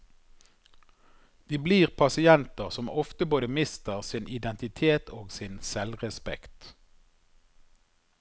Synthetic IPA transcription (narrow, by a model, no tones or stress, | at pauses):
d̪̥iːbliːʁpʰɑsɪɛnt̪əʁsɔmɔft̪əboːd̪əmɪst̪əʁsɪnʔɪd̪ɛnt̪ɪt̪ʰeːt̪ʰoːɡsɪnsɛlʁɛspɛ̰kt̪